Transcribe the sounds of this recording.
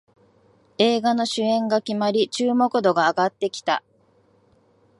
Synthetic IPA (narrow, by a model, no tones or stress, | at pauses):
e̞ːɡano̞ɕɨẽ̞ŋɡakʲimaɾʲit͡ɕɨːmo̞kɯ̟d̪o̞ɡaːɡat̪ːe̞kʲi̥t̪a̰